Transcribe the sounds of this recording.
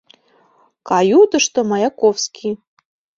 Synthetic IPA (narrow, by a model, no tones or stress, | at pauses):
kajud̪əʂt̪omajakofskʰʲi